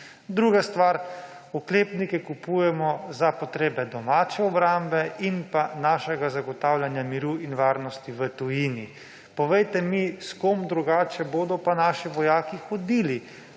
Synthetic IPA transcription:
d̪ɾuːɡast̪ʋaːɾ | ukleːpnikɛkupuːjɛmɔzapɔt̪ɾeːbɛd̪ɔmaːt͡ʃɛɔbɾambɛinpanaːʃɛɡazaɡɔt̪awlʲjanjamiɾuinʋaːɾnɔst̪iʋət̪ujiːni | pɔʋɛjt̪ɛmiskomd̪ɾuɡaːt͡ʃɛboːd̪ɔpanaːʃiʋɔjaːkixɔd̪iːli

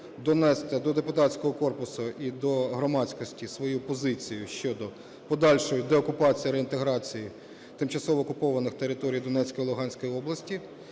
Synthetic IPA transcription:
d̪ɔnɛst̪ɛd̪ɔd̪epʊt̪ɑtt͡sʲkɔɦɔkɔrpʊsʊid̪ɔɦɾɔmɑt͡sʲkɔsʲtʲisʋɔjupɔzɪt͡sʲijʊʃt͡ʃɔd̪ɔ | pɔd̪ɑlʲʃɔjʊd̪ɛɔkʊpɑt͡sʲijiɾeint̪eɦɾɑt͡sʲiji | t̪ɪmt͡ʃɐsɔʋɔːkʊpɔʋɐnɪxt̪eɾɪt̪ɔɾʲijd̪ɔnɛt͡sʲkɔjlˠʊɦɑnʲsʲkɔjiɔblˠɐsʲtʲi

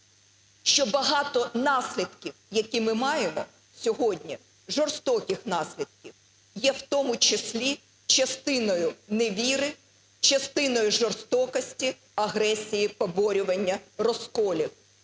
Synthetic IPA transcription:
ʃt͡ʃɔbɐɦɑt̪ɔnɑsʲlʲid̪kʲiwjɐkʲimɪmɑjemɔ̰ | sʲɔɦɔdʲnʲi | ʒɔrst̪ɔkʲɪxnɑsʲlʲid̪̚kʲiw | jɛwt̪ɔmʊt͡ʃesʲlʲi | t͡ʃɐst̪ɪnɔjʊneʋʲiɾɪ | t͡ʃɐst̪ɪnɔjʊʒɔrst̪ɔkɐsʲtʲi | ɐɦɾɛsʲijipɔbɔɾʲʊʋɐnʲːɐrɔskɔlʲiw

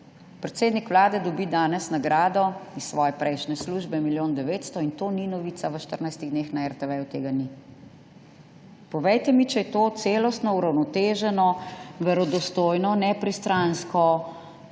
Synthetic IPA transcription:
pɾɛt̪seːd̪nikʋlaːd̪ɛd̪ɔbid̪aːnɛsnaɡɾaːd̪ɔissʋɔːjɛpɾɛjʃnɛsluːʒbɛmiljoːnd̪ɛʋeːt̪st̪ɔint̪oːninɔʋiːt̪saʋəʃt̪əɾnajst̪iɣd̪nexnaɛɾt̪ɛʋɛjut̪ḛːɡani | pɔʋɛjt̪ɛmit͡ʃɛjɛt̪oːt̪seːlɔst̪nɔuɾawnɔt̪eːʒɛnɔʋɛɾɔd̪ɔst̪oːjnɔnɛpɾist̪ɾanskɔ

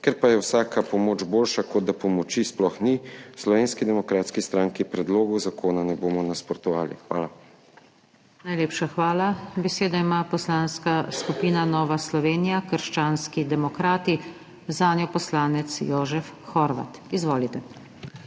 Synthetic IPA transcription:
kɛɾpajɛwsaːkapɔmoːd͡ʒboːlʃakɔd̪̚d̪apɔmɔt͡ʃisplɔxnislɔʋeːnskid̪ɛmɔkɾaːt̪skist̪ɾaŋkipɾɛd̪loːɡɔwzakoːnanɛboːmɔnaspɔɾt̪ɔʋa̰ːlḭxʋa̰ːla | najleːpʃaxʋaːlabɛseːd̪aimaːpɔslaːnskaskupiːnanɔːʋaslɔʋeːnijakəɾʃt͡ʃaːnskid̪ɛmɔkɾaːt̪i | zaːnjɔpɔslaːnɛt̪sjoːʒɛfxɔɾʋa̰t̪izʋoːlit̪ɛ

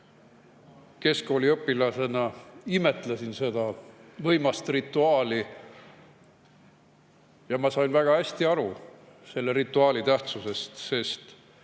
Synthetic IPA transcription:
ke̞sko̞ːlʲiɤpːˑilɑse̞nɑime̞t̪ˑlɑsinse̞d̪̥ɑvɤjmɑst̪rit̪ːˑuɑːli | jɑmɑsɑjnvæɡ̥ɑhæsʲt̪iɑɾu | se̞lːeɾit̪ːˑuɑːlit̪æht̪suse̞st̪se̞st̪

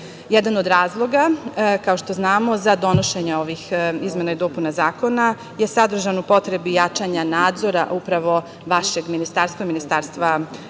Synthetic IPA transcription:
jed̪ano̞d̪ɾaːzlˠo̞ɡakaoʃt̪o̞znaːmo̞zad̪o̞noʃe̞ɲeo̞ʋixizme̞naid̪o̞ːpunazaːko̞na | jesad̪r̩ʒanupo̞t̪ɾe̞bijat͡ʃaɲanaːd̪zo̞ɾa̰ʔupɾaʋo̞ | ʋaʃe̞ɡminist̪aːɾst̪vʋaminist̪aːɾst̪ʋa

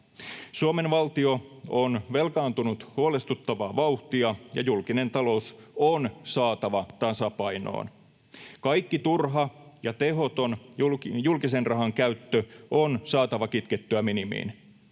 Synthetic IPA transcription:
suome̞nʋɑlt̪io̞onʋe̞lkɑːnt̪unut̪huole̞st̪ut̪ːɑʋɑːʋɑuht̪iɑjɑ̰julkine̞nt̪ɑlo̞usonsɑːt̪ɑʋɑt̪ɑsɑpɑjno̰ːn | kɑjkːit̪urɦɑjɑt̪e̞ɦo̞t̪onjulkise̞nrʔɑɦɑŋkæyt̪ːøonsɑːt̪ɑʋɑkit̪ket̪ːøæminimḭːn

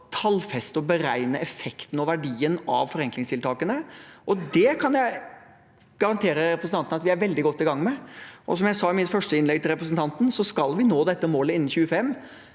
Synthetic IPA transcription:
t̪ʰɑlfɛst̪ɔbəɾæɪnəɛfɛkt̪n̩ɔʋæɖiːənɑ̰ʋfɔɾɛŋklɪŋst̪ʰɪlt̪ʰɑːkənəʔɔd̪ɛkʰɑnjæɪ | ɡ̥ɑɾɑnt̪ʰeːɾəɾɛpɾəsnɑnt̪ənɑt̪ʋɪæɾʋɛld̪ɪɡɔt̪ːɪɡɑŋːmɛʔɔsɔmjæɪsɑːɪmɪt̪fœʂʈəɪnlɛɡ̚t̪ɪlɾɛpɾəsən̩t̪ʰɑnt̪n̩sɔskɑlʋɪnoːd̪ɛt̪ːəmoːləɪnːn̩çʉːəfɛmː

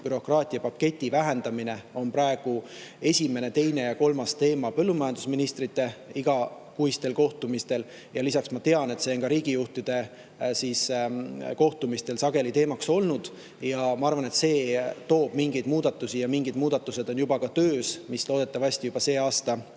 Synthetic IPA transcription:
pyɾo̞krɑːt̪ʲˑiɑpɑkːe̞t̪ʲːˑivæɦe̞nd̪̥ɑmine̞o̞npɾɑeɡ̥u | e̞sʲime̞ne̞t̪e̞jne̞jɑko̞lmɑst̪e̞ːmɑpɤlːumɑjɑnd̪̥usminist̪rit̪ːˑe̞iɡ̥ɑ | kuist̪e̞lko̞ht̪umist̪e̞l | jɑlisɑksmɑt̪e̞ɑne̞t̪seonkɑɾiːɡ̥ijuht̪id̪̥e̞ | siːs | ko̞ht̪umist̪e̞lsɑɡe̞lit̪e̞ːmɑkso̞lnud̪̥ | jɑmɑɑrvɑne̞t̪se̞ːt̪o̞ːb̥miŋɡejd̪muːd̪ɑt̪ːˑusijɑmiŋɡid̪muːd̪ɑt̪ːˑuse̞d̪o̞njubɑkɑt̪øːsmislo̞ːd̪̥e̞t̪ːˑɑvɑsʲt̪ijub̥ɑse̞ːɑːst̪ɑ

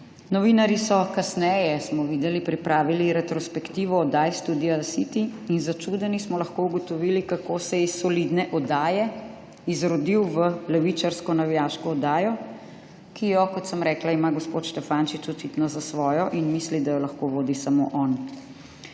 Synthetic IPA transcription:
nɔʋinaɾjisɔkasnɛːjɛsmɔʋiːd̪ɛlipɾipɾʔaːʋiliɾɛt̪ɾɔspɛkt̪iːʋɔːd̪ajst̪ud̪iasit̪iinzat͡ʃud̪ɛnismɔlaxkouɡɔt̪ɔʋiːlikakosɛisːɔlid̪nɛʔɔd̪aːjɛ | izɾɔd̪iwʋəlɛʋit͡ʃaɾskɔnaʋijaːʃkɔːd̪aːjɔ | kijɔkɔt̪səmɾɛːklaimaɡɔspoːt̪ʃt̪ɛfaːnʃit͡ʃɔt͡ʃit̪nɔzasʋɔːjɔʔinmislid̪ajɔlɐxkoʋoːd̪isamoʔɔn

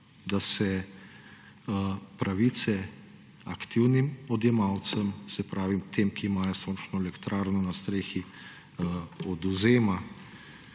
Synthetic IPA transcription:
d̪asɛ | pɾaʋiːt̪sɛ | akt̪iwnimɔd̪jɛmawt̪səmsɛpɾaːʋimt̪ʰeːmkiːmaːjɔsoːnt͡ʃnɔɛlɛkt̪ɾaːɾnɔnast̪ɾeːxi | ɔd̪uzeːma

